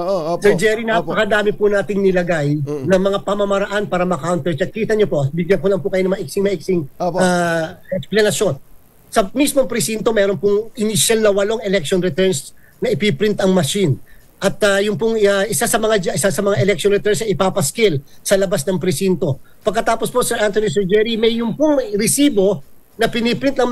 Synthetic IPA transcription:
sɛɹd͡ʒɛɾinaɐkɐd̪aːmɪpʊnaːt̪ɪŋnɪlɐɡajnɐŋmɐŋapɐmɐmɐɾɐʔanpaːɾɐmɐkawnt̪ɛɹt͡ʃɐt̪̚kiːt̪ɐɲopo̞ʔ̪̚bɪɡjɐŋkolɐŋpʊkɐjo̞ɐŋmɐʔik̚sɪŋmɐʔik̚sɪŋaɛksplɐnɐʃjo̞n | sɐmismoŋpɾɪsint̪o̞mɛːɾo̞npʊŋʔɪniʃɐlnɐwɐlo̞ŋɛlɛk̚ʃonɾɛt̪ɛɹns | nɐʔɪpipɾint̪ɐŋmɐʃin | ʔɐt̪̚ɐjʊŋpʊŋaʔɪsasɐmɐŋad͡ʒɐʔɪsasɐmɐŋaʔɛlɛk̚ʃonɾɛt̪ɛnsɐʔɪpapɐskɪlsɐlɐbasnɐŋpɾɛsint̪o̞pɐɡkːɐt̪aːposposɛɹʔant̪onis̬ɛɹd͡ʒɛɾimɐjːʊŋpʊŋɾɪsiːbo̞ | nɐpɪnipɾint̪ɐŋ

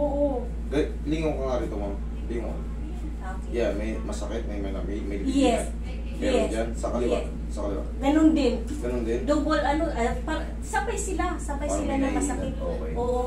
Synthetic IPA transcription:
ʔoːʔo | ɡɐ | liŋokoŋadɪt̪omɐŋ | liŋo̰ | o | jamɐjmɐsɐkɪt̪̚mɐjmɐnamɛjmɐjljɛs | mɛɛsd͡ʒansɐkɐlɪwa | sɐkɐlɪwa̰ɡɐnond̪ɪn | ɡɐnond̪ɪnd̪obolʔɐnoʔɐpɐ | sabɐjsɪlasabɐjsɪlanɐŋmɐsɐkɪt̪̚o | ʔoːʔo

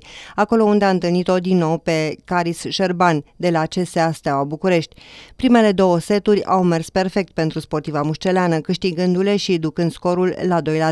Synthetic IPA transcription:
ako̞lo̞und̪eaɨnt̪ɨlnit̪o̞d̪inːo̞wpe̞kaɾisʃerband̪e̞lat͡ʃe̞seast̪awabukuɾe̞ʃt̪ʲpɾime̞le̞d̪o̞wose̞t̪uɾʲa̰wme̞rspe̞rfe̞k̚t̪̚pe̞nt̪ɾuspo̞rt̪ivamuʃt͡ʃe̞leanəkɨʃt̪iɡɨnd̪ule̞ʃid̪ukɨnd̪sko̞ɾulːad̪o̞jla

